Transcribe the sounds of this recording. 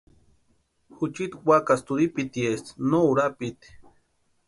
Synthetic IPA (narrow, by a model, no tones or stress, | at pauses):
xut͡ʃit̪wakast̪uɾipit̪iest̪nouɾapit̪i̥